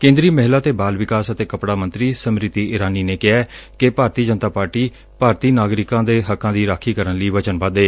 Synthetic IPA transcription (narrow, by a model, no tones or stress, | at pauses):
kẽːnd̪ɾiːmɛɦlaːt̪eːbaːlʋɪkaːsət̪eːkəpɽaːmə̃nt̪ɾiːsəmɾɪt̪ːiːʔɪɾaːniːneːkɪɛːkepaːɾt̪iːd͡ʒənt̪aːpaːɾʈiː | paːɾt̪iːnaːɡɾɪkãːd̪eːɦəkːãːd̪iːɾaːkʰiːkəɾənləiːʋət͡ʃənbad̪eː